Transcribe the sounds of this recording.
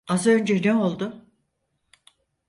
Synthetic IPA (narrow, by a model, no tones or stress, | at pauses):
azø̞nd͡ʒɛnɛo̞lˠd̪ʊ